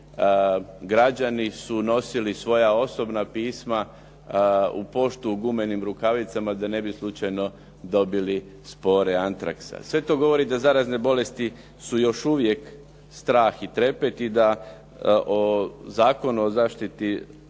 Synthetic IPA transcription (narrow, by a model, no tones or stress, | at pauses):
ɡɾad͡ʑanisuno̞silisʋo̞jao̞so̞bnapiːsma | upo̞ʃt̪uɡumenimɾukaʋit̪samad̪ane̞bislˠut͡ʃajno̞ | d̪o̞bili | spo̞ɾeant̪ɾa̰ksa̰sʋe̞t̪o̞ɡo̞ʋo̞ɾid̪azaɾazne̞bo̞le̞st̪i | sujo̞ʃuʋje̞k | st̪ɾaːxit̪ɾe̞pe̞t̪id̪a | ʔozaːko̞nuozaːʃt̪it̪i